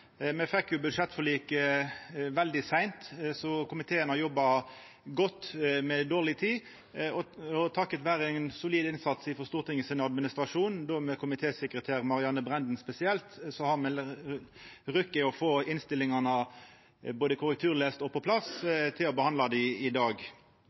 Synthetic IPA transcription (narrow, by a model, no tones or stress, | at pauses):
mɛfɛkjʊbʉd̪ʂɛt̪ːfɔliːkə | ʋɛld̪ɪsæɪnt̪sɔkʊmɪt̪ʰeːənhɑʁjɔbːɑ | ɡɔt̪ːmɛd̪oːʁlɪt̪ʰiː | ɔɔt̪ʰɑkːət̪ʋæːɾəɛnsʊliːd̪ɪnsɑt̪sɪfɔst̪uːʁt̪ɪŋːəsɪnɑd̪mɪnɪst̪ɾɑʂuːnd̪omɛkʰʊmɪt̪ʰeːsɛkɾət̪ʰæːʁmɑʁɪɑnːəbʁɛnd̪n̩spɛsɪɛlt̪sɔhɑʁmɛ | ʁʉkːɪɔfoːɪnst̪ɪlːɪŋɑnə | boːd̪əkʰʊɾək̚t̪ʰʉːʁleːst̪ɔpɔpʰlɑst̪ʰɪlɔbəhɑnlɑd̪ɪɪd̪ɑːɡ